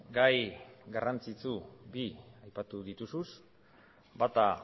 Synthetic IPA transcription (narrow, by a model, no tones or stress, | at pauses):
ɡajɡarant͡sit͡subiajpat̪uðit̪usus | bat̪a